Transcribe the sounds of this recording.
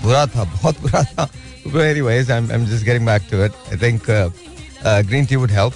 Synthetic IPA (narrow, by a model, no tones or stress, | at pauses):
buɾat̪ʰabɔɦɔt̪̚buɾat̪ʰa | uboeniwejz̬ajmã̰j̃md͡ʒɐs̬ɡɛɾĩŋbɛk̚tuɪtajt̪ʰɪ̃ŋk | ɡɾĩntiwudɦɛlp̚